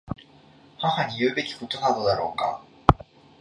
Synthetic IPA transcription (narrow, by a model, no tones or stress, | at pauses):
hahaɲ̟ijɯ̟ːbe̞kʲi̥ko̞t̪o̞nad̪o̞d̪aɾo̞̰ːka̰